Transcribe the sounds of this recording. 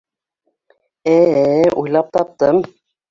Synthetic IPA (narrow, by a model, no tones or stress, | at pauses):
æujlˠɑp̚t̪ɑp̚t̪ɤm